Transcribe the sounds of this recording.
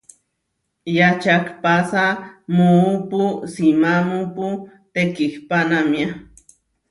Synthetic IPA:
jat͡ʃakpasamuːpusimamupu | t̪ekihpanamja

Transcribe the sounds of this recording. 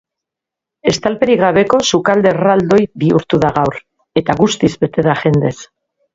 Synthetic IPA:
e̞st̪alpe̞ɾiɣ̞aβe̞ko̞sukald̪e̞rald̪o̞jβiuɾt̪uðaɣawɾ | e̞t̪aɣust̪izbe̞t̪e̞ðaʝe̞nd̪e̞s

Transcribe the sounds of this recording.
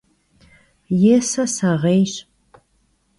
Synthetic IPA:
jɛsɐsɐʁeːjɕ

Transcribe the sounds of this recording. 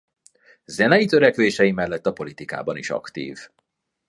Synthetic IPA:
zɛnɛjit̪øɾɛkʋeːʃɛjimɛlːɛt̪ːɒpo̞lit̪ika̰ːbɒniʃɒ̰kt̪ḭːv

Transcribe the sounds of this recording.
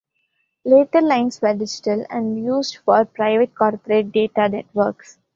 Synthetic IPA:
leːʈəɾlãɪ̃nsʋəɾɖɪd͡ʒɪ̥ʈəlɛ̰̃ɳɖjuːzɖfɔːɾpɾaɪʋeʈ̚kɔːɾpəɾeːʈ̚ɖeːʈanɛʈʋəɾks

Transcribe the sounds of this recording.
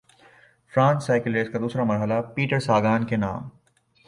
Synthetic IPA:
fɾãːnsaːɪkɪleːskad̪uːsɾamɐɾɦəlapiːʈəɾsaːɡaːnkena̰ːm

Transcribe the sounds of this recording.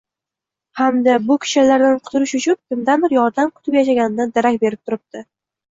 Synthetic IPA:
hamd̪abʊkʲʰɪ̥ʃalaɾd̪anqʰʊ̥t̪ʰʊɾɪʃʊt͡ʃʰʊnkʰʊmd̪anbɪɾjɒɾd̪amkʰʊt̪ʰɪpjaʃ̬aɡʲanɪnad̪aɾakʲbe̞ɾɪp̚t̪ʰʊɾɪp̚d̪ɪ

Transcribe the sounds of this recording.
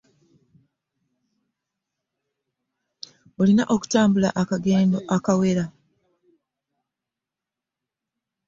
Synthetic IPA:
olinaʔo̞ku̥taːmbulaʔakaɡenoakawe̞ɾa

